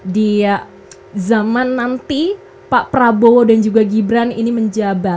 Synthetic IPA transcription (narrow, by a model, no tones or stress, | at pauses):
dia | zamanːant̪i | paʔpɾabowodand͡ʒuɡaɡibɾaniniməɲd͡ʒabat̪̚